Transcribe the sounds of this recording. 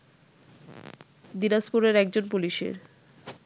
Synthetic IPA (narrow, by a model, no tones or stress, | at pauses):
d̪inaʃpoɾeɾɛk̚d͡ʑonpuliʃḛɾ